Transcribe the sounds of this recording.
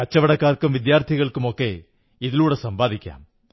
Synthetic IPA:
kɐt͡ɕːɐʋɐɽɐkːaːrkːɐmʋid̪jaːrt̪ʰiɣɐɭkumo̞kːe̞̰ | iðiluːɽesɐmbaːðikʲːa̰ːm

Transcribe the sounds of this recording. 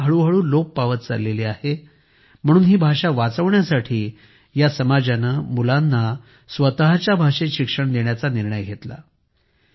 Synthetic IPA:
ɦəɭuːɦəɭuːloppaʋət̪̚t͡sa̰leliahe | m̤əɽ̃uːnɦiːbʱaʂaʋat͡səʋɳjasaʈʰiː | jasəmad͡ʑanəmulanːa | sʋət̪əɦat͡ɕjabʱaʂeɕikʂəɳd̪eɳjat͡saniɾɳəjɡʱet̪la̰

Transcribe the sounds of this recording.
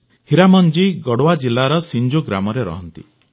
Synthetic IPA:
hiɾamɔnd͡ʒiɡɔɽowad͡ʒilːaɾɔsind͡ʒoɡɾamɔɾeɾɔ̰ɦɔnt̪ḭ

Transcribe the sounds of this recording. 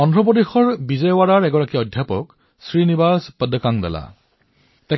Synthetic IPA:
ɔndɹɔp̬odexɔɹbizɛwaɹaɹɛɡɔɹakiɔdʱjapɔ̰k | sɹinibaspəd̪ʱəkaŋdɛ̰la̰ | tɛ

